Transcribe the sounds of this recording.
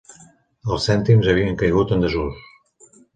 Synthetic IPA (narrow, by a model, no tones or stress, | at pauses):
əlˠsɛnt̪imzəβ̞iəŋkəjɣut̪ənd̪əʒus